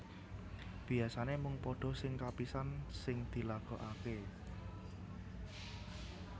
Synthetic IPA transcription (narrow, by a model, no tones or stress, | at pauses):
b̥i̤asanemʊŋpɔɖ̥ɔ̤sɪŋkapisansɪŋd̪̥i̤laɡ̥ɔ̤ʔake